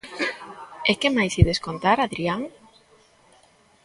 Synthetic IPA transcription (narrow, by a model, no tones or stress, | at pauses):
ekemajsiðeskont̪aɾaðɾiaŋ